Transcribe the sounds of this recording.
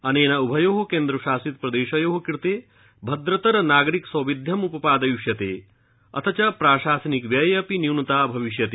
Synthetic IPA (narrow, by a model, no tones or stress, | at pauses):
ɐneːnɐubʱɐjoːɦɐkeːnd̪ɾɐʃaːsit̪̚pɾɐd̪eːʃɐjoːɦɐkiɾt̪eː | bʱɐd̪ɾɐt̪ɐɾɐnaːɡɐɾiksɐwʋid̪ʱjɐmupɐpaːd̪ɐjuʃjɐt̪ḛː | ɐ̰t̪ʰɐt͡ʃɐpɾaːʃaːsɐnikʋjɐjɐpiniwnɐt̪aːbʱɐʋiʃjɐt̪e